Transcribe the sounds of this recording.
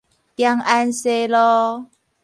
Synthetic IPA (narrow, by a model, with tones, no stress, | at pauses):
t̪ja˧ŋʔa˧nse˧lɔ˦